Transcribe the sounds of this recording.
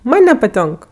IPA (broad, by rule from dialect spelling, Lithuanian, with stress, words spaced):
ˈmɐnʲ nʲɛpɐˈtʲoːŋk